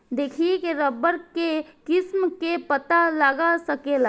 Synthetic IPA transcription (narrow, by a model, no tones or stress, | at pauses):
d̪eːkʰiekeɾəbəɾkekɪsmkepət̪alaɡasɐkela